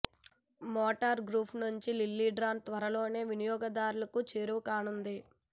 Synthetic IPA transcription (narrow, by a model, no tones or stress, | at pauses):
mɔːʈɐɾɡɾuːpʰnuɲt͡ʃililːiɖɾaːnt̪ʋɐɾɐlo̞ːne̞ːʋinijɔːɡɐd̪aːɾulɐkut͡ʃeːɾuʋukaːnund̪i